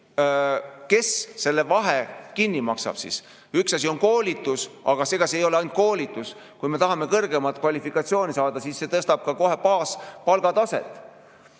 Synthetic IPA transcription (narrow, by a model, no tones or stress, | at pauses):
ke̞sse̞lːe̞vɑɦekinʲːimɑksɑ̰b̥sḭs | yksɑs̬ʲio̞nko̞ːlʲit̪ːˑusɑ̰ɡ̥ɑse̞ːɡ̥ɑseejo̞leɑjnt̪̚ko̞ːlit̪ːˑus | kujme̞t̪ɑɦɑme̞kɤrɡ̥e̞mɑt̪̚ˑkvɑlʲifikːɑt̪sio̞ːnisɑːd̪̥ɑsisːe̞t̪ɤst̪ɑb̥̚kɑko̞ɦe̞pɑːspɑlɡ̥ɑt̪ɑse̞̰t̪ˑː